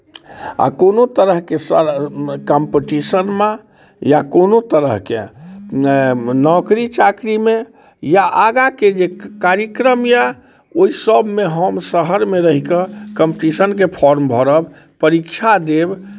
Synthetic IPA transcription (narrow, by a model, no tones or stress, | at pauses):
a̰konot̪əɾəɦkesəkəmpeʈisənmã | jakonot̪əɾəɦkḛ | nɔkɾit͡ʃakɾime | jaʔaɡaked͡ʒekaɾəkɾəmja | oisəbmeɦəmsəɦəɾmeɾəɦikəkəmpʈisənk̬epʰɔɾmbʱɔɾəb | pəɾikt͡ʃʰad̪eb